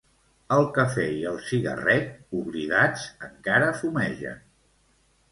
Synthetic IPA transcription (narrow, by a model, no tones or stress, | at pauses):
əlˠkəfɛiəlˠsiɣə̰rɛk̚uɣɾiðad͡zəŋkaɾəfumɛʒə̰